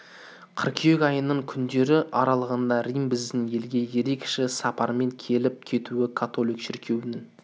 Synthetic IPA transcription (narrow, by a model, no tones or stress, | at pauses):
qʰəɾkʲʰjekʲɑjənəɴkʲʰʏnd̪e̞ɾɪʔɑɾɑlˠəʁənd̪ɑɾijmbɪzd̪ɪnje̞lɡʲe̞je̞ɾe̞kʃɪsɑpɑɾme̞ŋkʲʰe̞lɪp̚kʲʰe̞t̪uɪkʰat̪o̞lˠijkʃɪɾkʲʰe̞wɪnɪŋ